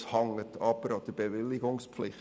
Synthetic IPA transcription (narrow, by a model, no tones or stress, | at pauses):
shɑŋːətʰɑb̥əɾɑd̥əɾb̥eʋɪlːɪɡʊŋsflɪχ